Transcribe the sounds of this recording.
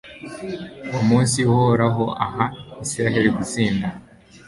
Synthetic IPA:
umuːnsiuhoɾaɦo̞ʔahaisiɾaɦe̞ɾiɡut͡siːnda

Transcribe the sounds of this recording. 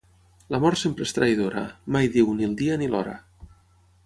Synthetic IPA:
lamɔɾsempɾest̪ɾajð̞oɾa̰majðiwnilˠd̪ianilɔɾa̰

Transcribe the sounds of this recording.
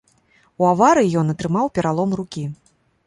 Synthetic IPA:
uavaɾɨijɔnɐt̪ɾɨmawpʲɛɾalˠɔmrukʲi

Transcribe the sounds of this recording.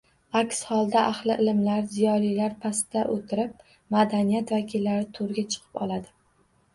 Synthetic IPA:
akʲshɒlˠd̪aʔahlɪʔɪlɪmlaɾzijɒlijlaɾpʰasɪd̪̥aʔot̪ʰɪɾɪp̚ | mad̪anijat̪vakʲʰɪlːaɾɪt̪ʰoɾɡʲat͡ʃʰɨ̥qʰɨ̥pɒlad̪ɪ

